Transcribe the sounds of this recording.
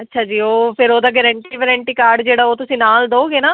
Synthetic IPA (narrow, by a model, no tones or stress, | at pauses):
ətːʃʰaːd͡ʒiːoːpʰɪɾoːd̪aːɡɛɾə̃ɳʈiːʋɛːɾə̃ɳʈiːkaːɾɖd͡ʒeːɽaːoːt̪ʊsĩːnaːld̪oːoɡeːnaː